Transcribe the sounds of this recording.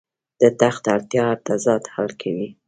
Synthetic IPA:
d̪̥ət̪axt̪aɽt̪jɑd̪azɑt̪ha̰lkʰawi

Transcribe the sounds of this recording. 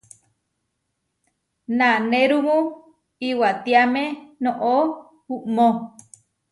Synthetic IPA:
naneɾumũ | iwat̪iamenõʔo | huʔmõ

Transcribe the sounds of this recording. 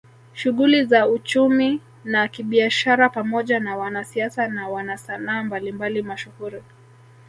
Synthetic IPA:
ʃuɣulizaut͡ʃumi | nakiɓiaʃaɾapamɔʄanawanasiasanawanasanaːmbalimbalimaʃuhuɾi

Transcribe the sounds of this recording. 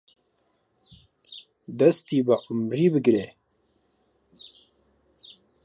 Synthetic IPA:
d̪ɐst̪iːbaʔʊmɾiːbɨɡɾeː

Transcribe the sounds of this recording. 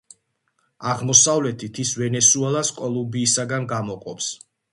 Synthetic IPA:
aʁmɔsavlɛt̪ʰit̪ʰisvɛnɛsuɛlˠaskʼɔlˠumbiːsaɡanɡamɔqʼɔps

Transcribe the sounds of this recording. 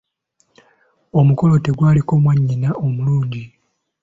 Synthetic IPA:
o̞muko̞lo̞te̞ɡwaːliko̞mwaɲːinao̞muluːɲɟi

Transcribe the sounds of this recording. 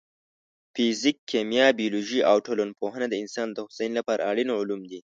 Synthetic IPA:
fizikʰːemjɑbijoloʒiʔawʈolonpoɦənad̪əɪnsɑnd̪əxʊsanlapɑɾʔa̰ːɽinoʕʊlumd̪i

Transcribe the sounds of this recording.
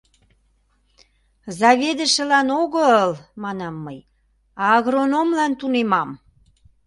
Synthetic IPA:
zɑβed̪ə̆ʃə̆lɑnoɣəəlmɑnɑmːəj | ɑːɣronomlɑnt̪unemɑm

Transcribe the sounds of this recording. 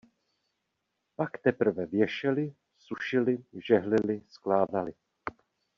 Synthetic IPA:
pakt̪ɛpr̩vɛvjɛʃɛlɪ | suʃɪlɪʒɛɦlɪlɪsklaːdalɪ

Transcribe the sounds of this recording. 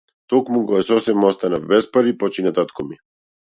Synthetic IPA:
t̪ɔkmuɡɔɛsɔsɛmɔst̪anavbɛspaɾipɔt͡ʃinat̪at̪kɔmi

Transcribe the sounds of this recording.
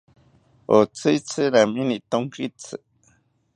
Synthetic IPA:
ot͡sɨt͡sɨɾaminit̪oŋkit͡sɨ

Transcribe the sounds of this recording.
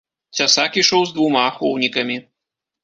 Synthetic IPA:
t͡sʲasakiʂɔwzd̪vumaːxɔwnʲikɐmʲi

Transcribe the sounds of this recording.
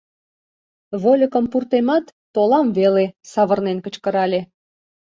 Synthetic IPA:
βolʲəkəmpurt̪emɑt̪ːolɑmvelesɑβə̆rnenkə̆t͡ɕkəɾɑlʲe

